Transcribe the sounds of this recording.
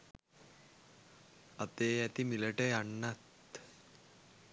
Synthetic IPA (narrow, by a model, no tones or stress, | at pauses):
at̪ejat̪iːmileʈejaɳːat̪